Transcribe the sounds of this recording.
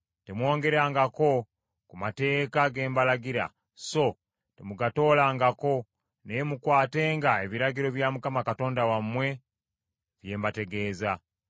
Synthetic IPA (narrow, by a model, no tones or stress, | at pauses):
temwo̞ːŋɡe̞ɾaŋɡako̞ | kumate̞ːkaɡe̞ːmbalaɡiɾa̰ | so̞ | temuɡato̞ːlaŋɡako̞ | nemukwaːte̞ːŋɡae̞βiɾaɡiɾo̞βjamukamakato̞ːndawamːwe̞ | βje̞ːmbate̞ɡe̞ːza